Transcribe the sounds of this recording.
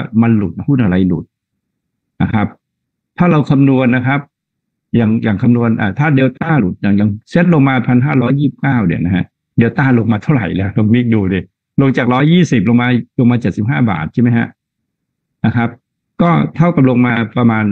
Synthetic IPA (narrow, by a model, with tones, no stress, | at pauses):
ma˧nlu˨˩t̪̚a˦hu˥˩nʔa˧ɾa˧jlṵ˨˩t̪̚ | na˧˥˩kʰa˦˥p̚ | t̪ʰaː˥˩ɾa˧wkʰa˧mnu˧ənːa˦˥kʰa˦˥p̚ | jaː˨˩ŋjaː˨˩ŋkʰa˧mnu˧ənʔa̰ː˨˩t̪ʰaː˥˩deː˧wt̪aː˥˩lu˨˩t̪̚jaː˨˩ŋja˨˩ŋse˦˥t̪̚lo˧ŋmaː˧˩pʰa˧nɦaː˥˩ɾɔː˦˥jːiː˥˩i˨˩p̚kaː˥˩wdi˨˩na˦˥ha˦˥ | deː˧wt̪aː˥˩lo˧ŋmaː˧t̪ʰa˥˩wɾa̰˨˩jlɛː˦˥do˧ŋmi˦˥˩duː˧di˧˩ | lo˧ŋt͡ɕaː˨˩k̚ɾɔː˦˥jːiː˥˩si˨˩p̚lo˧ŋmaː˧lo˧ŋmaː˧t͡ɕe˨˩t̪̚si˨˩p̚ɦaː˥˩ba̰ː˨˩t̪̚t͡ɕʰa˥˩ma˦jɦha̰˦˥ʔ | na˦˥kʰa˦˥p̚ | kɔː˥˩t̪ʰa˥˩wka˨˩p̚lo˧ŋmaː˧pɾa˧maː˧n